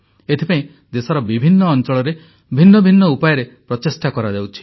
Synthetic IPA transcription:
et̪ʰipaĩ | d̪esɔɾɔbibʱinːɔːnt͡ʃɔɭɔɾe | bʱinːɔbʱinːɔupajɔɾepɾɔtesʈakɔɾad̪ewt͡ʃʰi̥

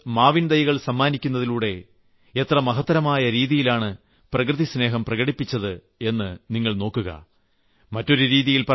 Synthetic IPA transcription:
maːʋind̪ɐjɐɣɐɭsɐmːaːnikʲːunːɐðiluːɽe̞ | et̪rɐmɐɦɐt̪ːɐɾɐmaːjɐɾiːðijilaːɳɨ | prɐkrɨðisne̞ːɦɐmprɐɣɐɽipːit͡ɕːɐðɨ | e̞nːɨniŋːɐɭno̞ːkːuɣɐ̰ | mɐtːo̞ɾuɾiːðijilpɐ

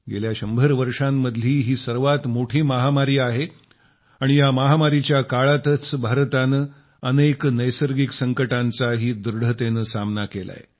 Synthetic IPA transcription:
ɡeljaɕəmbʱəɾʋəɾʂamːəd̪ʱliːɦiːsəɾʋat̪moʈʰiːməɦamaɾiːaɦe | aɽ̃ijaməɦamaɾit͡ɕjakaɭat̪ət͡sbʱaɾt̪anə | əneknəjsəɾɡiksəŋkəʈant͡saɦiːd̪uɾɽ̤ʱət̪enəsamnakela̰je

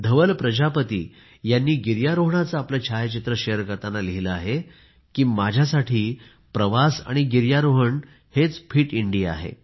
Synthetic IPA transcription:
d̪ʱəʋəlpɾəd͡ʑapət̪ḭː | janːiːɡiɾjaɾoɦɳat͡səːplət͡ɕʰajt͡ɕit̪ɾəɕejəɾkəɾt̪analiɦiləaɦe | kiːmad͡ʑʱjasaʈʰiː | pɾəʋasa̰ɽ̃iɡiɾjaɾoɦəɳ | het͡sfʰiːʈiɳɖia̰ɦḛ

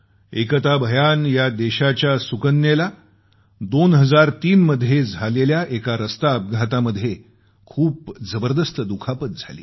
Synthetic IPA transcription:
ekət̪abʱəjanjad̪eɕat͡ɕjasukənːela | d̪onɦəd͡zaɾt̪iːnməd̪ʱjed͡zʱaleljaʔekaɾəst̪aəp̚ɡʱat̪aməd̪ʱje | kʰuːp̚d͡zəbəɾd̪əst̪əd̪ukʰapət̪̚d͡zʱa̰lḭː

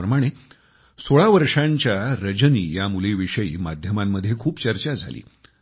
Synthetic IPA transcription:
əmaɽ̃e | soɭaʋəɾʂaɲt͡ɕjaɾəd͡ʑənḭːjamuleʋiʂəjḭːmad̪ʱjəmamːəd̪ʱːjekʰuːpt͡ɕəɾt͡ɕad͡zʱa̰lḭː

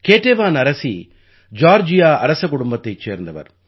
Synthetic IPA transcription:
keːʈːeːʋaːnɐɾɐsḭ | d͡ʒaːɾd͡ʒɪjaːɐɾɐsɐkːʊɽʊmbɐt̪ːɐɪt͡ʃːḛːɾnd̪ɐʋɐ̰ɾ

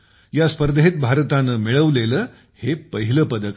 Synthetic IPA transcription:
jaspəɾd̪əɦit̪̚bʱaɾət̪anːəmiɭəʋleləː | hepəɦiləpəd̪ək

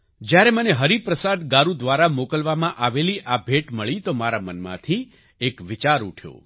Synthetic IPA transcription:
d͡ʒjaɾeməneɦəɾipɾəsad̪ɡaɾud̪ʋaɾamokəlʋamãʔaʋeliʔabʱeʈməɭit̪omaɾamənmã̰t̪ʰi | ekʋɪt͡ʃaɾuʈʰjo̰

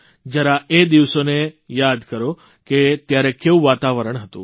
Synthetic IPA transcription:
d͡ʒaɾaed̪iʋsonejad̪kəɾo | ket̪jaɾekeũʋat̪aʋəɾəɳɦət̪ṵ̃

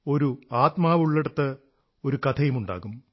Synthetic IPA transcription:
o̞ɾuaːt̪maːʋuɭːeɽɐt̪ːɨ | o̞ɾukɐt̪ʰɐjumuɳɖa̰ːɣum

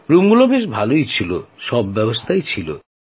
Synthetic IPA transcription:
ɾumɡulobeʃ̬bʱalojt͡ɕʰilo̰ʃɔbːɛbost̪ʰajt͡ɕʰilo̰

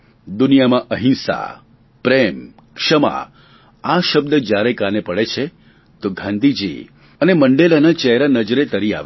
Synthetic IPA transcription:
d̪ʊnijamãʔəɦɪ̃nsa̰ | pɾem | kʂəma̰ | aʃəb̚d̪əd͡ʒjaɾekanepəɭet͡ʃʰe | t̪oɡʱãnd̪ʱid͡ʒḭ | əneməɳɖelanat͡ʃɛɦɾanəd͡ʒɾet̪əɾia̰ʋe

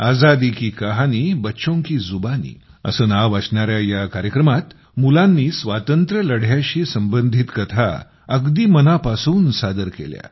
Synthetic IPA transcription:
ad͡zad̪iːkiːkəɦaniːbətːɕõŋkiːzubanḭː | ə̰səːnaʋəsɳaɾjajakaɾjəkɾəmat̪ | mulanːiːsʋat̪ənt̪ɾələɽ̤jaɕiːsəmbənd̪ʱit̪kət̪ʰa̰ | əɡd̪iːmənapasuːnsad̪əɾkḛlja̰

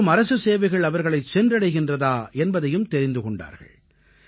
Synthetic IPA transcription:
ɯmɐɾɐsɯseːʋɐɪɣɐɭɐʋɐɾɣɐɭɐɪt͡ʃɛndrɐɽɐɪɣɪndrɐðaːɛnbɐðɐjɯmt̪ɛɾɪnd̪ɯkɔɳɖa̰ːɾɣɐ̰ɭ

